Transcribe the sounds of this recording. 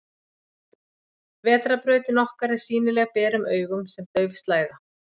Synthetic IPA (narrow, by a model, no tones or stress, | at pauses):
vɛːt̪ɾapɾœːɥt̪ɪnɔhkaɾɪɾ̥siːnɪlɛːɣapɛːɾʏmʔœːɥɣʏmsɛmt̪œːɥvɪst̪laːjɣa